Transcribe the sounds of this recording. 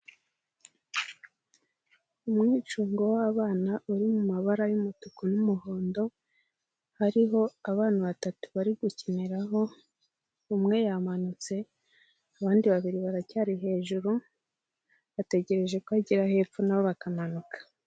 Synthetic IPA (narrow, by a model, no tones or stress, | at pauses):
umŋiːt͡ʃuːŋɡo̞waβaːnaʔuɾimumaβaɾajumutukonumuɦo̞ːndo̞ | haɾiɦo̞aβaːnaβatatu̥βaɾiɡuceneɾaɦo̞ | umŋe̞jamanut͡se̞ | aβaːndiβaβiɾiβaɾacaːɾiɦe̞ːʒuɾu | βate̞ɟe̞ɾe̞ʒe̞kuaɟiɾahe̞ːp͡funaβo̞βakamanukḁ